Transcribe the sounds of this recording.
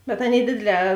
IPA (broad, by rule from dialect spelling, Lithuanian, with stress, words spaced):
bʲɛt ˈɑːˌnʲeːɪ ˈdʲeːdʲeːˌlʲɛː